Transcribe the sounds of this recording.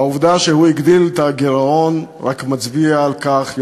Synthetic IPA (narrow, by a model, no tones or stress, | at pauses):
auvd̪aʃehuiɡd̪ilt̪aɡeʁao̞nʁa̰kmat͡sbiaːlkaχ